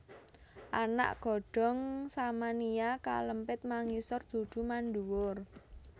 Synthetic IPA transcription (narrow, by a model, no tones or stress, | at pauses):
ʔana̰ʔɡ̥ɔ̤ɖ̥ɔ̤ŋsamanijaka̰ləmpɪt̪̚maŋisɔrd̪̥ṳd̪̥ṳmanɖuwʊr